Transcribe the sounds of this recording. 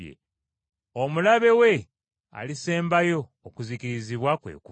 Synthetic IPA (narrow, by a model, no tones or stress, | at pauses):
ḛ | omulaβe̞we̞ | a̰lise̞ːmbajo̞ːkuzikiɾiziβwakwe̞̰ːku